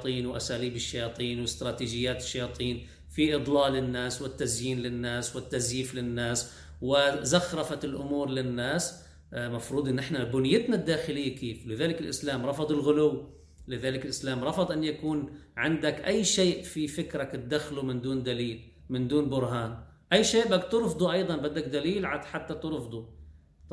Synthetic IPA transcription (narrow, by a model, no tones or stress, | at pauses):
t̪ˤiːnwɪʔasaːliːbɪʃːajɑːt̪ˤiːnwɪst̪ɾˤɑːt̪iːd͡ʒɪjːaːt̪ɪ̥ʃːajɑːt̪ˤiːn | fiʔɨd̪ˤlɑːlɪnːaːswɪt̪ːazjiːnlɪnːaːswɪt̪ːazjiːflɪnːaːs | wɪzaxɾˤɑfat̪ɪlʔʊ̰muːɾlɪnːaːs | mafɾuːd̪ˤʔɪnːʔɪħnabʊnɪjːɪt̪nad̪ːaːxɪlɪjːakeːflɪðaːlɪkɪlʔɪ̰slaːmɾˤɑfɑd̪ˤɪlɣʊlʊwː | lɪðaːlɪkɪlʔɪslaːmɾˤɑfɑd̪ˤʔɪnːjakuːnʕɪnd̪akʔajːʃeːʔfifɪkɾakt̪̚d̪axlumɪnd̪uːnd̪aliːl | mɪnd̪uːnbʊɾɦaːnʔajːʃeːʔbak̚t̪ɨɾfd̪ˤuʔɑjd̪ˤɑnbad̪ːak̚d̪aliːlʕaħat̪ːat̪ɪɾfd̪ˤu